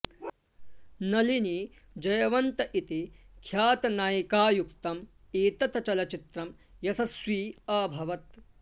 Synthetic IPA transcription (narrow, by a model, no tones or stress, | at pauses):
nɐlini | d͡ʒɐjɐʋɐnt̪ɐʔit̪ikʰjaːt̪ɐnaːjikaːjukt̪ɐm | iːt̪ɐt̪ɐt͡ʃɐlɐt͡ʃit̪ɾɐm | jɐsɐsʋiːɐːbʱɐʋɐt̪